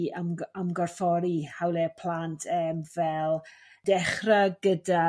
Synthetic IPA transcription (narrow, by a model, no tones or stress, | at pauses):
əməmɡɔrfɔɾihawlˠɛpʰl̥ˠantʰɛːmvɛlˠ | d̥ɛχraɡəda